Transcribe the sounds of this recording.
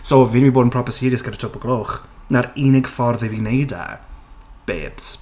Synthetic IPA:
sovɪnmiboːdən̩pʰrɔpəsɪɾjɪsɡ̥əɾətʰʊpɔɡlˠoːχnaɾinɪɡfɔrðɪvinejda̰ | b̥ḛːb̥s

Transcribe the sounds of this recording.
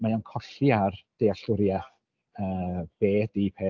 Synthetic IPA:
majɔnkʰɔɬiard̥ejaɬʊɾja | əːb̥eːdipʰeː

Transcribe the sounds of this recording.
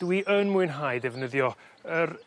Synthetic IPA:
d̥wiʔənmuɨnɦajdɛvnəðjɔər

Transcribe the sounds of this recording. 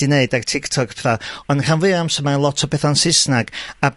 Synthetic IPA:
ineɨdartʰɪktʰɔkʰpʰɛθaɔnr̥ʰanvɨamsəmaənlˠɔtʰɔbeːθɔnsɪsnaɡ̥a

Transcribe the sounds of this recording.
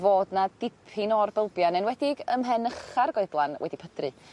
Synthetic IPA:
voːdnad̥ɪpʰɪnɔrbɪlˠbjanɛnwɛdɪɡəmɦɛnəχarɡɔɨblˠanwɛ̰dipʰədrɨ

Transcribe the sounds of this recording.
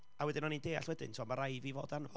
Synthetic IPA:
awɛdɪnɔnindeːa̰ɬwɛdɪ̰ntʰɔmaɾajvivo̰ːdanvɔ

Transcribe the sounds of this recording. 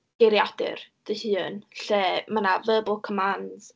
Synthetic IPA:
ɡ̥eɾjadɪ̰rd̥əhɨːnɬɛmanavəːbʊlˠkʰɔmanz

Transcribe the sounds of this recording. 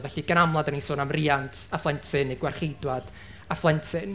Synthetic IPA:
vɛɬiɡənamlˠadənisoːnamriːantʰaflˠɛntʰɨneɡwarχejdwad̥ | aflˠɛntʰɪn

